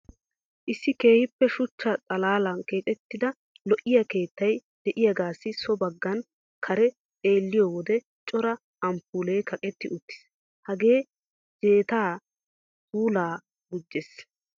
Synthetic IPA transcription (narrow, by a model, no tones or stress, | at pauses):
ʔɪsːɪke̞ːhɪpːɛʃʊt͡ʃːɐt͡sʼɐlaːlɐnke̞ːt̪ʼɛt̪ːɪd̪ɐ | lɔʔɪjɐke̞ːt̪ːɐjd̪̥ɛʔɪjɐɡaːsːɪsɔbɐɡːɐn | kʰɐɾɛ | tʼe̞ːlːɪjowɔd̪ɛ | t͡ʃʼɔɾɐ | ɐmpuːleːkɐkʼɛt̪ːɪʔʊt̪ːɪ̥s | hɐɡe̞ː | d͡ʒe̞ːt̪aː | puːlaː | ɡʊd͡ʒːɛs